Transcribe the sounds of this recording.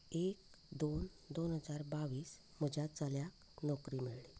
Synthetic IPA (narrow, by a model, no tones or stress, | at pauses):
ek | d̪on | d̪onɦəd͡zaɾbaʋiːs | m̤əd͡ʑʱjat͡saljak | nɔkɾiːmeɭɭe